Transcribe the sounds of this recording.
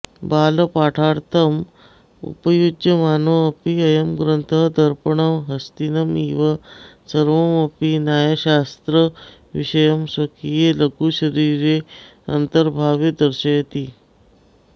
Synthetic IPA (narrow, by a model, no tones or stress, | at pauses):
balpaʈʰaɾt̪ʰəm | ṵpəjudjəmanoəpiəjəmɡɾənt̪ʰəd̪ʱəɾpəɳəmɦəst̪inəmiʋasəɾʋəməpinjajaɕast̪ɾə | ʋḭɕəjəmsʋəkijeləkuːɕəɾiɾe | ə̰nt̪əɾbʱaʋed̪əɾɕəjət̪iː